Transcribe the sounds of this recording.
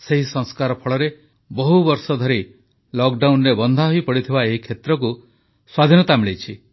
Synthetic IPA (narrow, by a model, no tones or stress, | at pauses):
seɦisɔŋskaɾɔpʰɔɭɔɾe | bɔɦubɔɾsɔd̪ʱɔɾi | lɔk̚ɖawnɾebɔnd̪ʱaɦojpɔɽit̪ʰibaeɦikʰet̪ɾɔk̬u | swad̪ʱinɔt̪amɭet͡ʃʰi